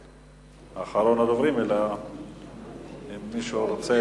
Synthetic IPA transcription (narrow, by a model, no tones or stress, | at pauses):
aχaɾo̞nadovʁimela | mːiʃuɾot͡se